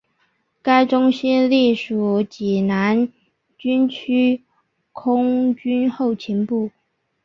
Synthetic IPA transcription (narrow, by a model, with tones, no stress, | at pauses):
ka˥ɪʈ͡ʂʊ˥ŋɕɛ˥li˥˩ʂu˨˩t͡ɕi˨˩na˧˥n | t͡ɕy˥nt͡ɕʰy˥ | kʰʊ˥ŋt͡ɕy˥nxo˥˩ʊt͡ɕʰi˧˥npu˥˩